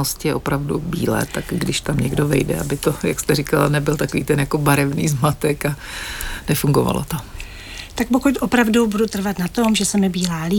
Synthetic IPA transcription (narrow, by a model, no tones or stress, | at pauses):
oscɪjɛʔo̞pɾavdubḭːlɛ̰ːt̪akɡdɪʃt̪amɲɛɡdovɛjdɛ̰abɪt̪ojakst̪ɛrikalanɛbɪlt̪akoviːt̪ɛnjako̞baɾɛvnḭːzmat̪ɛka | nɛfuŋɡova̰lo̰t̪am | t̪ak̚pokuc̪ʔopɾavdubudut̪r̩vat̪nat̪omʒɛsɛmɪbiːlaːli